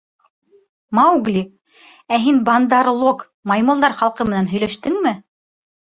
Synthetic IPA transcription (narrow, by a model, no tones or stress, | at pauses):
mɑuɡlʲi | æɦinbɑnd̪ɑɾlˠok | mɑjmŏlˠd̪ɑɾχɑlˠqɤmɘ̆nænɦɵ̆jlæʃt̪ɘŋmɘ